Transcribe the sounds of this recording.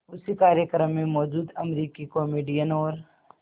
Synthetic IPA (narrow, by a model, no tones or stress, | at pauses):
ʊsikaːɾjəkɾəmːẽmɔːd͡ʒuːd̪ɐmɾiːkikɔːmeːɖijənɔːɾ